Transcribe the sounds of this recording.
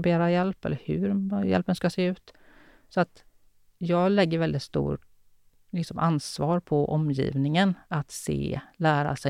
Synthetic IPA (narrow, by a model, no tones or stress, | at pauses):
beːɾajɛlpɛlːəɾhɵ̰ɾjɛ̰lpənskaseːʉ̟ːt̪ | sɔat̪ | jɑːɡlɛɡːəɾvɛld̪ɪt̪st̪ṵː | lɪksɔmʔansvɑːɾpʰɔʔɔmjḭːvnɪŋənat̪sḛːlæːɾa̰sɛ